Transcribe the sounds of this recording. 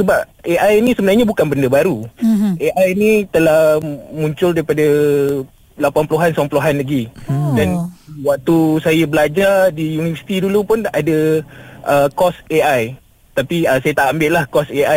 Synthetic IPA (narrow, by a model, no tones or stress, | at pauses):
səbap̚ʔeʔajnĩsəbənarɲabukanbəndəbaɾuʔeʔajnit̪əlahmũɲt͡ʃʊldaɾipada | lapanpəloɦansampəloɦanlaɡidanwak̚t̪usajabəlad͡ʒardijunivəsi̥t̪idulupʊnadaʔəkɔseʔaj | t̪apiəsajat̪aʔambɪʔlahkɔseaj